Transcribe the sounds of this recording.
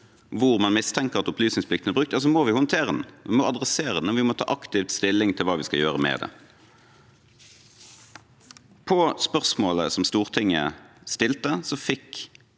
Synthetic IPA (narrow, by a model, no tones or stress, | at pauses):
ʋʊʁmɑnmɪst̪ʰɛŋkəʁɑt̪ɔplyːsnɪŋsplɪkt̪nəɛbʁʉkt̪jɑs̬ɔmoːʋɪhɔnt̪ʰeːʁəd̪nʋɪmɔɑd̪ʁɛseːʁəd̪nɔʋɪmɔt̪ʰɑ̰ːʔɑkt̪ɪʋt̪st̪ɪlːɪŋt̪ʰɪlʋɑːʋɪskɑljøːʁəmɛ̰ːd̪ɛ̰ | pʰɔspœʁsmoːləsɔmst̪uːʁt̪ʰɪŋːə̰st̪ɪlt̪əsɔfɪk